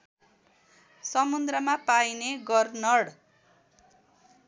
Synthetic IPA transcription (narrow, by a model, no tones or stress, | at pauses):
sʌmund̪ɾʌmapajneɡʌrnʌɽ